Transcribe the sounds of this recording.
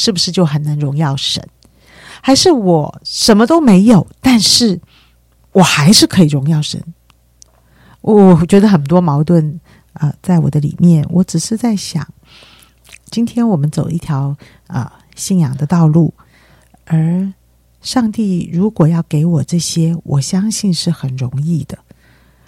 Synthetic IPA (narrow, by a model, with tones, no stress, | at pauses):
ʂɻ̩˥˩bu˩ʂɻ̩˥˧t͡ɕjo˥˩ʊxə˨˩nna˧˥ŋɻʊ˧˥ŋjɑ˥˩ʊʂə̰˧˥n | xa˧˥ɪʂɻ̩˥˩wɔ˨˩ʂə˧˥nmə˧t̪o˥ʊme˧˥ɪjo˨˩˦ʊt̪a˥˧nʂɻ̩˥˩ | wɔ˨˩xa˧˥ɪʂɻ̩˥˩kʰɤ˧˥i˨˩ɻʊ˧˥ŋjɑ˥˩ʊʂə̰˧˥n | wɔ˧˩wɔ˨˩t͡ɕɥɛ˧˥d̪ə˧xə˨˩nt̪̬wɔ˥mɑ˧˥ʊt̪̬wə˥˧n | ə˧t͡sa˥˩ɪwɔ̰˨˩d̪ə˦lḭ˨˩mjɛ˥˩nwʔɔ˧˥ʈ͡ʂɻ̩˨˩ʂɻ̩˥˧t͡sa˥˩ɪɕjɑ̰˨˩˦ŋ | t͡ɕi˥nt̪ʰjɛ˥nwɔ˨˩mə˦nt͡so˨˩ʊi˥˩t̪ʰjɑ˧˥ʊ | ə̰˧ | ɕi˥˩njɑ˨˩ŋd̪ə˦t̪ɑ˥˧ʊlu˥˩ | ə˞˧˥ | ʂɑ˥˧ŋt̪i˥˩ɻu˧˥kwɔ˨˩jɑ˥˩ʊke˧˥ɪwɔ˨˩ʈ͡ʂɤ˥˩ɕjɛ˥wʔɔ̰˨˩ɕjɑ˥ŋɕi˥˧nʂɻ̩˥˩xə˨˩nɻʊ˧˥ŋi˥˩d̪ə˩